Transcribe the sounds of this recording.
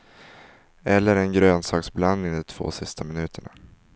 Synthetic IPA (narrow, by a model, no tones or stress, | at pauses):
ɛlːəɾɛnɡɾøːnsɑːksbland̪nɪŋd̪ɔt̪ʰv̥o̰ːsɪst̪ʰamɪnʉ̟ːt̪ʰəɳa̰